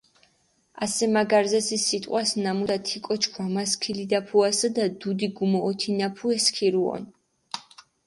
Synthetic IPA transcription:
asɛmaɡaɾzɛsisːit̪ʼqʼwasnamud̪at̪ʰikʼɔt͡ʃʰkʰwamaskʰilid̪apʰuasad̪ad̪ud̪iɡumɔːt̪ʰinapʰuɛskʰiɾuɔ̰n

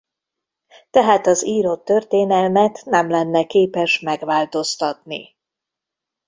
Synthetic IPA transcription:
t̪ɛɦaːt̪ɒziːɾo̞t̪ːørt̪eːnɛlmɛt̪nɛmlɛnːɛkeːpɛʃmɛɡʋaːlt̪o̞st̪ɒt̪nḭ

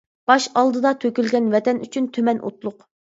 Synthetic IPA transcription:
b̥ɑʃɑlˠd̪ɨd̪ɑt̪ʰøkʲylɡʲɛnvɛt̪ʰɛny̰t͡ʃʰynt̪ʰømɛnʔo̰t̪lˠʊq

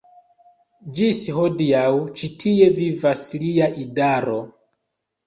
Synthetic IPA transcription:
d͡ʒisɦodiawt͡ʃitʰievivasliaʔidaɾo

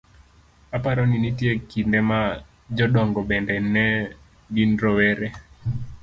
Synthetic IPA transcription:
apaɾɔninitjekindɛma | d͡ʒɔɗɔŋɡɔbɛndɛnɛ | ɡinɾɔwɛɾɛ

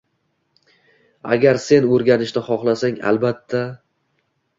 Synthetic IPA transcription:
a̰ɡʲaɾse̞nɵɾɡʲanɪʃd̪aχɒχlˠasaŋa̰lbat̪ʰːa

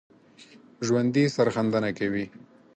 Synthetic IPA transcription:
ʒwand̪isaɾxand̪anakawi

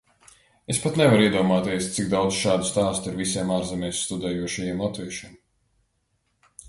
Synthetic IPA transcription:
espat̪nɛvaɾiɛd̪uɔmaːt̪iɛst̪siɡd̪awd̪zʃaːd̪u̥st̪aːst̪uiɾvisiɛmaːɾzɛmʲɛjsst̪ud̪ɛːjuɔʃajɛmlat̪viɛʃim

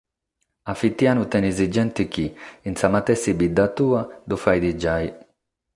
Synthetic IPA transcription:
afit̪janut̪ɛnɛzid͡ʒɛnt̪ik̟iːnsamat̪ɛsibid̪ːat̪uːad̪ufajd̪id͡ʒaj

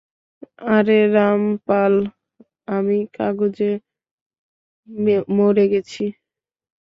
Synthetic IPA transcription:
aɾeɾampal | amikaɡod͡ʑe | moɾeɡɛt͡ɕʰi

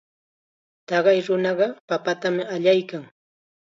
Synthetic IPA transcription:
t̪ɑɢɑjɾʊnɑɢɑpapat̪amɪaʎajkaŋ

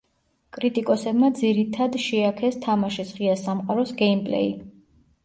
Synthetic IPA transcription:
kʼɾit̪ʼikʼɔsɛbmad̪ziɾit̪ʰad̪ʃɛakʰɛst̪ʰamaʃisʁiasamqʼaɾɔsɡɛimpʼlɛ̰i

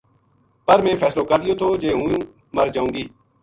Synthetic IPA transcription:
pəɾmẽːfʰɛːsloːkəɾd̪ɪjoːt̪ʰoːd͡ʒeːɦũːjũː | məɾd͡ʒaːũːɡiː

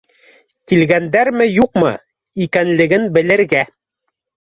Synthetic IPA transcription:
kilɡænd̪æɾmɘjuqmɤ̰ | ikænlɘ̆ɡɘnbɘ̆lɘ̆ɾɡæ

